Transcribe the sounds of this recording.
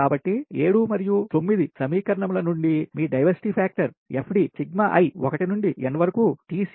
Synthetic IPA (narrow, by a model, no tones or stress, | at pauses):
aːbɐʈːieːɽuːmɐɾijut̪o̞mːid̪isɐmiːkɐɾɐɳɐmlɐnuɳɖimiːɖɐjʋɐɾsi̥ʈipʰaːk̚ʈɐɾ | epʰɖisiɡmaʔɐ̰jɔkɐʈinuɳɖienːɐʋɐɾɐkuːʈiːs